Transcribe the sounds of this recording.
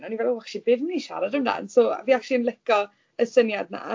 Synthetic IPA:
nɔnivɛlˠowakʃibɪvmniʃa̰ɾadəmda̰nsoːa̰viːakʃiənlˠɪkɔ | əsənjadna̰a

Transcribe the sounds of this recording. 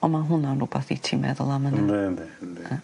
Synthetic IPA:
ɔmaɦʊnanɾubaθitʰimɛ̰ðɔlˠamənədɛnd̪ɛnd

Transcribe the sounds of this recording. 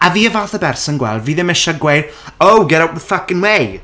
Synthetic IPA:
aviːəvaːθəbɛrsɔnɡwɛ̰lˠdviːðɪmɛʃaɡwejr | owɡɛɾawʔ̚ðəfakɪnwej

